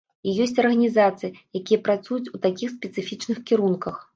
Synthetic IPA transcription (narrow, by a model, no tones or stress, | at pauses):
ijɔsʲt͡sʲɐrɣɐnʲizat̪sɨjɐjakʲijɐpɾat̪sujut͡sʲut̪akʲixspʲɛt̪sɨfʲit͡ʂnɨxkʲiɾunkɐx